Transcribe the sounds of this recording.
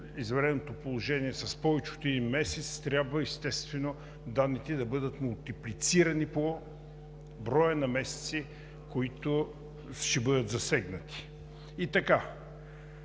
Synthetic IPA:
izvɛɾɛnot̪opolˠoʒɛniɛsɐspɔvɛt͡ʃot̪ɛd̪inmɛsɛt̪st̪ɾʲjabvəɛst̪ɛst̪vɛno | d̪anːit̪ɛd̪ɐbɤd̪ət̪mʊlˠt̪iplit̪siɾɐnipo | bɾɔjənɐmɛsɛ̥t̪si | koit̪ʊ | ʃɛbɤd̪ət̪zɐsɛɡnət̪i̥ː | t̪ɐka

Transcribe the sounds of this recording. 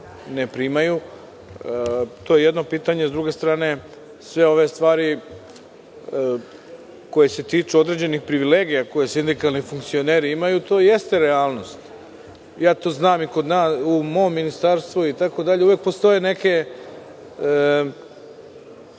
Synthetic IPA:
nepɾimaju | t̪o̞je̞je̞d̪no̞piːt̪aɲe̞zd̪ɾuɡe̞st̪ɾaːne̞ | sʋe̞o̞ʋe̞st̪ʋaːɾi | ko̞jese̞t̪iːt͡ʃuod̪ɾe̞d͡ʑe̞nixpɾiʋile̞ːɡijako̞jesind̪ikalˠnifuŋkt̪sio̞ne̞ːɾiimajut̪o̞ːjest̪e̞ɾeaːlˠno̞st̪ | jaːt̪o̞ːznaːmiko̞d̪naːsumo̞mːinist̪aɾst̪ʋuit̪ako̞d̪aʎeuʋjek̚po̞st̪o̞je̞ne̞ke̞

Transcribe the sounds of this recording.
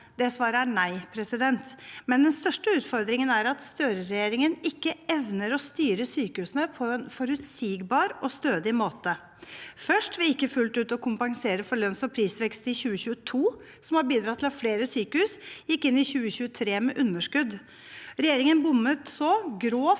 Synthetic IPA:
d̪ɛsʋɑːɾənæɪpʰɾɛsɪd̪ɛnt̪mɛnd̪ɛnst̪œʂʈəʉːt̪fɔɾd̪ɾɪŋənæɾɑt̪st̪øːɾəɾɛjeːɾɪŋənɪkːəɛʋnəɾɔst̪yːɾəsyːkəhʉːsənəpʰɔɛnfɔɾʉt̪siːɡbɑːɾʔɔst̪øːd̪ɪmoːt̪ə | fœʂʈʋɪɪkːəfʉlt̪ʉːt̪ɔkʰʊmpɑŋseːɾəfɔɾɭœnsɔpʰɾiːsʋɛkst̪ɪçʉːəçʉːət̪ʰuː | sɔmhɑɾbiːd̪ɾɑt̪ʰːɪlɑfleːɾəsyːkəhʉːsjɪkːɪnːɪçʉːəçʉːət̪ʰɾeːmɛʔʉnːəʂkʉd̪ | ɾɛjeːɾɪŋənbʊmːət̪sɔɡɾoː

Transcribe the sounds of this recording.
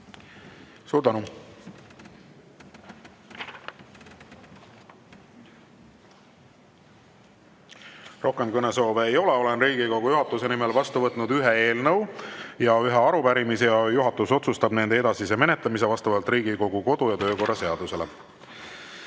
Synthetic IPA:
suːɾd̪ænu | ro̞hkemkɤneso̞ːveːjo̞leo̞lenriːɡ̥iko̞ɡ̥ujuɦɑt̪ːˑuse̞nimelvɑst̪uvɤt̪ˑnud̪̥yɦee̞ːlnɤwjɑyɦeɑɾupæɾimisejɑjuɦɑt̪ːˑuso̞t̪sust̪ɑb̥ne̞nd̪eed̪̥ɑsise̞me̞net̪lɑmis̬e̞vɑst̪ɑvɑlt̪ˑriːɡiko̞ɡ̥uko̞d̪̥ujɑt̪ø̞ːko̞rːɑse̞ɑd̪̥use̞le̞

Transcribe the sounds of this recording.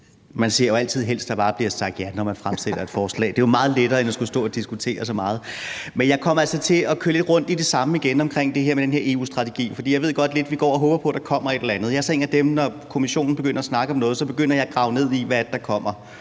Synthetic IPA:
mænsiɐ̰joælt͡sʰið̞̰ˠɦel̰sd̥ɑ̈b̥ɑ̈ːb̥liɐsɑ̈ɡ̥d̥jænɒmænfʁamsel̥̰ɐe̝d̥fɒːslɛ̰ːd̥e̝jamɑ̈ːð̞̩ˠleɾ̥ɐːenæsɡ̥usd̥ɔ̰̽ːɒd̥isɡ̥ut͡sʰe̝̰ːɐsɒ̽mɑ̈ːð̞̩ˠmenjɑ̈ɪkʰɒ̽mælsɒ̽t͡sʰe̝ɒ̽kʰøɐle̝d̥ʁɔ̽n̰d̥id̥e̝sɑ̈məiɡ̥enɒ̽mkʰʁeŋ̰d̥e̝ɦeɐ̰med̥enhe̝ɐe̝ːṵːsd̥ʁɑ̈t͡sʰeɡ̥ḭːfɒ̽d̥ḭːjɑ̈ɪʋe̝ɡ̥ɒ̽d̥le̝d̥ʋiɡ̥ɒ̰ːɒɦɔ̽ːb̥ɐpʰɒ̽d̥ɑ̈kʰɒ̽m̰ɐedɾelɐænð̞̩ˠjɑæɐsɒe̝ːnæd̥emnɒkʰo̝miɕo̝̰ːn̩be̝ɡ̥øn̰ɐɒsnɑ̈ɡ̥əɒ̽mnɔ̽ːð̞̩ˠsɒ̽b̥e̝ɡ̥øn̰ɐjɑ̈ɡ̥ʁɑ̈ʊne̝ð̞̰ˠiʋædd̥ɑ̈kʰɒ̽m̰ɐ

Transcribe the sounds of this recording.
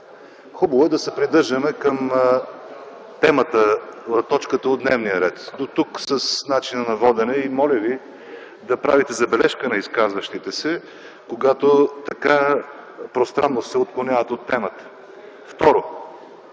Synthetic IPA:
xubɐvoɛd̪ɐsɛpɾid̪ɤɾʒəmɛkəm | t̪ɛmət̪əɐt̪ɔt͡ʃkət̪əod̪nɛvnijəɾɛt̪d̪ot̪uksəsnat͡ʃinənɐvɔd̪ɛnɛimɔlʲəvi | d̪ɐpɾavit̪ɛzɐbɛlɛʃkənɐiskazvəʃt̪it̪ɛsɛ | koɡat̪ot̪ɐka | pɾost̪ɾanːossɛot̪̚klˠonʲavət̪ot̪ːɛmət̪ə̥ | ft̪ɔɾo

